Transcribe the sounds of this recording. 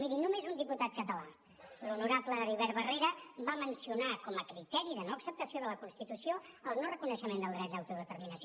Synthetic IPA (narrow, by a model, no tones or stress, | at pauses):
miðinumezund̪iput̪at̪̚kət̪əla | lunuɾapləðəriβ̞ɛɾβəreɾəβamənsiunakɔməkɾit̪ɛɾiðənoəksəp̚t̪əsioðələkunst̪it̪usioəlˠnorəkunəʃəmend̪əlˠd̪ɾɛt̪̚d̪əwt̪uðət̪əɾminəs